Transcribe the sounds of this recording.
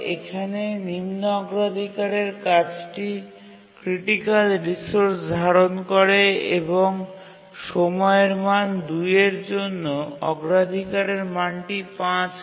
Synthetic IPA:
ekʰanenimnoɔɡɾad̪ʱikaɾeɾkat͡ɕʈi | kɾiʈikalɾisoɾsd̪ʱaɾonkoɾeḛboŋ | ʃomɔeɾmand̪ujeɾd͡ʑonːoɔ̰ɡɾad̪ʱikaɾeɾmanʈipãt͡ɕ

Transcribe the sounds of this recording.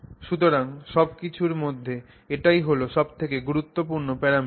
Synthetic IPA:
ʃut̪̬oɾaŋʃɔbkit͡ɕʰuɾmod̪ʱːe | eʈajɦoloʃɔbt̪ʰekeɡuɾut̪ːopuɾnopɛɾami

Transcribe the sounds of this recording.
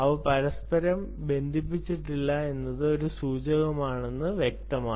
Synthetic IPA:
ɐʋɐpɐɾɐspɐɾɐm | be̞nd̪ʱip̬ːit͡ɕːiʈːilːɐe̞nːɐðɨo̞ɾusuːt͡ɕɐɣɐmaːɳe̞nːɨʋjek̚t̪ɐmaː

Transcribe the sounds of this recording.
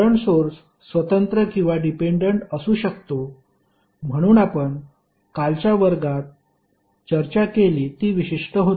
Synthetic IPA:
əɳsoɾs | sʋət̪ənt̪ɾəkĩw̃ʋaɖipeɳɖəɳʈəsuːɕəkt̪o | m̤əɽ̃uːnapəɳ | kalt͡ɕjaʋəɾɡat̪̚ | t͡ɕəɾt͡ɕakeliːt̪iːʋiɕiʂʈəɦot̪

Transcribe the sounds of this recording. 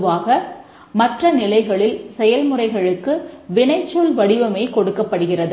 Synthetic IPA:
ʋaːɣɐ | mɐʈrɐnɪlɐɪɣɐɭɪlsɛjɐlmɯrɐɪɣɐɭɯkːɯʋɪɳɐɪt͡ʃːulʋɐɽɪʋɐmeːkɔɽɯkːɐpːɐɽɯɣɪrɐð

